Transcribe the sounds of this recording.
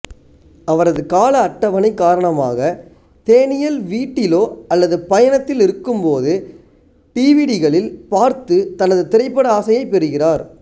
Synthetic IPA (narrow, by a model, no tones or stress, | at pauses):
ɐʋɐɾɐðɯkaːlɐːʈːɐʋɐnɐɪkːaːɾɐɳɐma̰ːɣɐ | t̪eːnɪjɐlʋiːʈːɪloːɐlːɐðɯpɐjɐnɐt̪ːɪlɪɾɯkːɯmpoːðɯ | ʈiːʋiːɽɪɣɐɭɪlpaːɾt̪ɯt̪ɐnɐðɯt̪ɪɾɐɪpːɐɽɐaːsɐjɐɪpːɛɾɯɣɪraːɾ